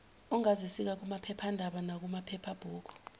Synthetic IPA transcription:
ɔŋazisik̬ak̬umapʰɛpʰandʱaɓanak̬umapʰɛpʰab̥ʱuːku̥

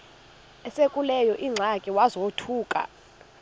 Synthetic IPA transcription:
ɛsekʼulɛjɔʔiŋ͡ǀʱakʼiwazotʰuːkʼa̰

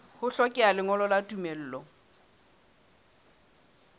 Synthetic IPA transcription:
hʊɬɔkʼɛalɪŋɔlɔlatʼumel̩ːlɔ

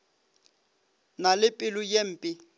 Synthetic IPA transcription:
nalɪpʼɪlʊjem̩ːpʼɪ

